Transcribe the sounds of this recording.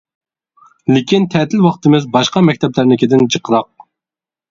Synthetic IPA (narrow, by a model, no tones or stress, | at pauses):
lɪkʲint̪ʰɛːt̪ʰɪlwɑqt̪ɨmɪzbɑʃqɑmɛk̚ʲt̪ʰɛplæɾnɪkʲɪd̪ɪnd͡ʒəqʰəɾɑq̚